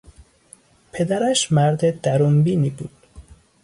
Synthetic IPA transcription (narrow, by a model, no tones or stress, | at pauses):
pʰe̞d̪æɾæʃmæɾd̪ed̪̥æɾuːmbiːniːbṵːd̪̥